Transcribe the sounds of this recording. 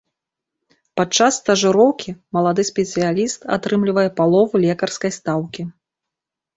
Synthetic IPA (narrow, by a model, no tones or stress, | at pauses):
pat͡ʂasːt̪ɐʐɨɾɔwkʲʰimɐlˠad̪ɨsʲpʲɛt̪sɨjalʲist̪a̰t̪ɾɨmlʲivɐjɛpalˠɔvulʲɛkɐrskɐjst̪awkʲi